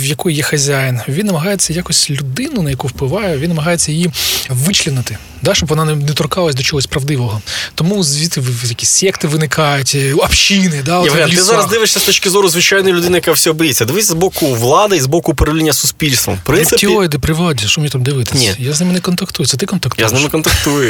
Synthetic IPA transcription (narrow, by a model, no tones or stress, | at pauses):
ʋjɐkɔjjɛxɐzʲajɪnʋʲinːɐmɐɦɑjet͡sʲːɐjakɔsʲtʲlʲʊd̪ɪnʊnɐjɐkuwplˠɪʋɑjɛʋʲinɐmɐɦɑjet͡sʲːɐjijiʋɪt͡ʃlʲinɪt̪ɪ | d̪ɑʃt͡ʃɔbʋɔnɑnnɛt̪ɔɾkɑlˠɐsʲd̪ɔt͡ʃɔɦɔsʲpɾɐʋd̪ɪʋɔɦɔt̪ɔmuzʋʲit̪ɪʋjɐkʲi̥sʲsʲɛkt̪ɪʋɪnɪkʰɑjʊtʲɐpʃinɪd̪alʲiɪzɑɐzd̪ɪʋɪʂsʲɐst̪ɔt͡ʃkʲɪzɔɾʊzʋɪt͡ʃajnɔjʊlʲʊd̪ɪnɐjɐkawsʲiɔbɪjesʲːɐd̪ɪʋɪt̪sʲːɐzbɔkʊʋlˠɑd̪ɪizbɔkʊpɔɾʲɐʋlʲinʲːɐsʊsʲpʲilʲst̪ʋɐ̰mpɾɪnɪtʲiɔɾʲid̪ɪpɾɪʋlˠɑdʲiʃɔmnʲit̪amd̪ɪʋɪt̪ɪsʲjaznɪmɪnɛkɔnt̪ɐkt̪ujɛsʲɛt̪ɪkɔnt̪ɐkt̪aznɪmmkɔnt̪ɐkt̪ujʊ